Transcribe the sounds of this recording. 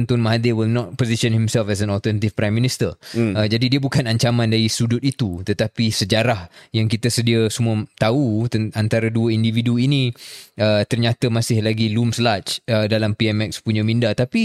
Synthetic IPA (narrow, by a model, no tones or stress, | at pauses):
nt̪ɔnmaɦadewilnɔt̪̚poziʃə̃nhimsɛlfɛs̬ɛ̃nɔlt̪ənat̪ifpɾajmːĩnist̪əəd͡ʒadidiəbukanaɲt͡ʃamãndaɾisudʊt̪it̪ut̪ət̪apisəd͡ʒaɾahjaŋkit̪əsədiasumuət̪aut̪ant̪aɾəduəindividuinĩət̪ərɲat̪əmasɪhlaɡilumslat͡ʃədalampiɛmɛkspuɲãmĩndat̪api